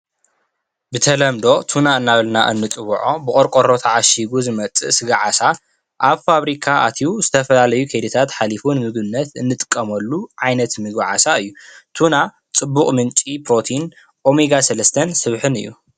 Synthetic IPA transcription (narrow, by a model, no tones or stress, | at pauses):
bɨt̪ʰɐlɐmd̪o̞t̪ʰunaɨnːaβɨlna̰ʔɨ̰nːɨt͡sʼɨβʕobɨkʼoɾkʼoɾot̪ʰaʕaʃiɡuzɨmɐt͡sʼɨ̰ʔsɨɡaʕasa | ʔaβfaβɾikʰaat̪ʰiuzɨt̪ʰɐfɐlalɐjukʰɐd̪it̪ʰat̪ħalifunɨmɨɡbɨnːɐt̪ɨnːɨt̪ʼɨ̥kʼːɐmɐlːuʕajnɐt̪mɨɡaʕa̰saɨjːut̪ʰuna | t͡sʼɨbːuχʼmɨnt͡ʃʼipɾo̞t̪ʰin | ʔo̞miɡasɐlɐst̪ʰɐnsɨβħɨnɨ̰jːṵ